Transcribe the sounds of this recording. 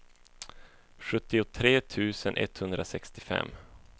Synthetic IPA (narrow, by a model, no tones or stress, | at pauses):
ɧɵt̪ːɪʊt̪ʰɾeːt̪ʰʉ̟ːsənʔɛ̰t̪hɵnd̪ɾʔasɛkst̪ɪfɛ̰mː